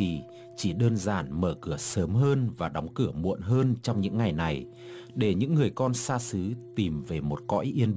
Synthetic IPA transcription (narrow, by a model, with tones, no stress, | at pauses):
i˨˩ | t͡ɕi˧˩ɗəː˧nzaː˧˩nməː˧kɨ˧˩əsəː˨˦mɦəː˧nvaː˨˩ɗɔ˨˦wŋ͡mkɨ˧˩əmṵ˧˨ənɦəː˧nt͡ɕɔ˧wŋ͡mɲɨ̰˧˥ŋːa˨˩jna˨˩j | ɗe˧˩ɲɨ̰˧˥ŋːɨ˨˩əjkɔ˧nsaː˧sɨ˨˦t̪i˨˩mve˨˩mo˨˩t̚kɔ̰˧˥jʔi˧ən